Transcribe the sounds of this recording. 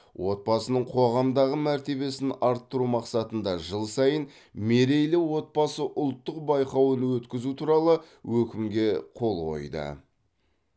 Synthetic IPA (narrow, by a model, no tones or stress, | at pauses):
wʔo̞t̪̚bɑsənəɴqʰo̞ʁɑmd̪ɑʁəmæɾt̪e̞be̞sɪnɑɾt̪ːəɾumɑqsɑt̪ənd̪ɑʒəlˠsɑjən | meɾe̞jlɪwo̞t̪̚bɑsəʔʊlˠt̪ːəqbɑjqɑwənwɵt̪kʲɪzut̪ʰuɾɑlˠə | wɵkʲɪmɡʲe̞qʰo̞lˠqo̞̰jd̪ə̰